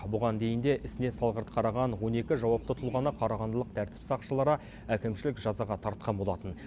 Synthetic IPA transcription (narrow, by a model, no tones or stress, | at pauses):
bʊʁɑnd̪e̞jɪnd̪e̞ʔɪsɪne̞sɑlˠʁəɾt̪qʰɑɾɑʁɑnwo̞ne̞kʲɪʒɑwɑp̚t̪ət̪ʰʊlˠʁɑnəqʰɑɾɑʁɑnd̪əlˠəq̚t̪ʰæɾt̪ɪ̥psɑqʃəlˠɑɾɑ | ækʲɪmʃɪlɪkʒɑzɑʁɑt̪ʰɑɾt̪̚qɑnbo̞lˠɑt̪ən